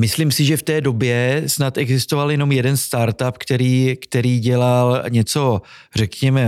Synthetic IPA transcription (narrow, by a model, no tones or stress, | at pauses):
mɪslimsɪʒɛft̪ɛːdo̞bjɛsnat̪ʔɛɡzɪst̪o̞valjɛno̞mjɛdɛnst̪aɾt̪apkt̪ɛɾiːkt̪ɛɾiːɟɛlalɲɛt͡so̞ | r̝ɛkɲɛmɛ